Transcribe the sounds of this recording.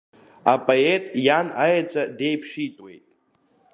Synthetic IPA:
apʼoetʼjanajat͡ʃʷʼade̞jpʰʃitʼwe̞̰jtʼ

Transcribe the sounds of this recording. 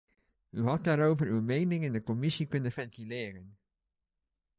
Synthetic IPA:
yɦɑt̚daːɾowvəɹywmejnɪŋɪndəkɔmɪsikɵnəfɛntilɪːrən

